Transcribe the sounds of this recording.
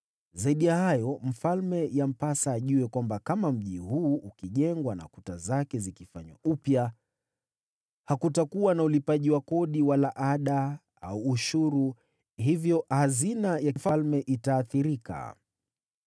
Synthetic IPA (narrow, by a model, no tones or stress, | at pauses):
zaiɗijahajɔm̩falmɛjam̩pasaːʄuwɛkwambakamam̩ʄihuːʔukiʄɛŋɡwana̰kutazakɛzikifaɲwa̰upja | hakutakuwanaulipaʄiwakɔɗiwalaʔaɗa | a̰uːʃuɾu | hivjɔhazinajafalmɛʔitaːθiɾika̰